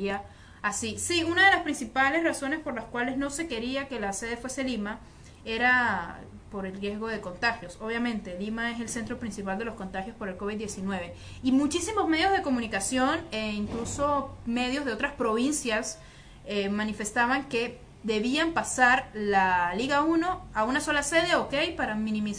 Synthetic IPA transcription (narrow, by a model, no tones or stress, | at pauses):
a | asisiunað̞e̞laspɾinsipale̞sraso̞ne̞spo̞ɾlaskwale̞znose̞ke̞ɾiake̞lase̞ð̞e̞fwe̞se̞lima | e̞ɾa | po̞ɾe̞lrjezɣo̞ð̞e̞kont̪axjo̞so̞βjamẽ̞nt̪e̞limae̞s̬e̞lse̞nt̪ɾo̞pɾinsipald̪e̞lo̞sko̞nt̪axjo̞spo̞ɾe̞lko̞βid̪d̪je̞sinwe̞β̞e̞ | imut͡ʃisimo̞zme̞ðjo̞zðe̞ko̞mũnikasjo̞neiŋklusome̞ð̞jozðe̞o̞t̪ɾaspɾo̞βinsjas | emanife̞st̪aβaŋke̞ | ðe̞βiampasaɾlaliɣauno̞aunaso̞lase̞ð̞eoke̞jpaɾamĩnĩmis